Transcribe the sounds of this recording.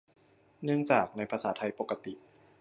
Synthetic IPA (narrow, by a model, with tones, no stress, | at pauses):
nɯ˥˧əŋt͡ɕaː˨˩k̚na˧jpʰa˧saː˩˦t̪ʰa˧jpo˨˩kːa˧t̪i˨˩ʔ